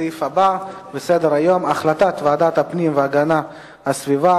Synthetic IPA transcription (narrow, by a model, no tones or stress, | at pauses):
ifababesed̪eɾajo̞maχlat̪at̪vaad̪at̪hapnimveaɡana | hasviva